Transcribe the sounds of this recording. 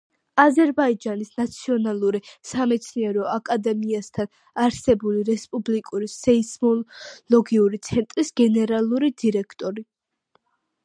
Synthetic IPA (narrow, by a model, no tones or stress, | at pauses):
azɛɾbaid͡ʒanisnat̪sʰiɔnalˠuɾisamɛt̪sʰniɛɾɔakʼad̪ɛmiast̪ʰan | aɾsɛbuliɾɛspʼublikʼuɾisɛismɔlɔɡiuɾit̪sʰɛnt̪ʼɾisɡ̥ɛnɛɾalˠuɾid̪iɾɛkʰt̪ʼɔɾi